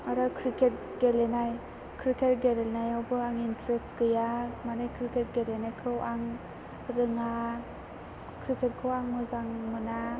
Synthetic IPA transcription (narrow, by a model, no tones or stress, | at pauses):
aɾakʰɾiket̚ | ɡelenaj | kʰɾiket̚ɡelelnajawbɯaŋintʰɾestkɯjamanajkʰɾiket̚ɡelenajkʰɯwʔaŋ | ɾɯŋa | kʰɾikʰet̚kʰɯwaŋmɯzaŋmɯna